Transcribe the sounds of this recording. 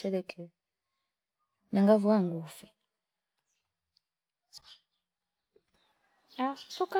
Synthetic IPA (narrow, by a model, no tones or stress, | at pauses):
ɛlɛkʰɛ | naŋɡavuaŋɡufi | asuka